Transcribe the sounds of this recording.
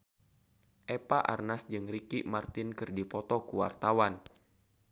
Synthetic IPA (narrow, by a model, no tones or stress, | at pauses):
ʔepaʔa̰rnasd͡ʒɨŋrikiʔmart̪ɪnkɨrdipɔt̪ɔkuwa̰rt̪awan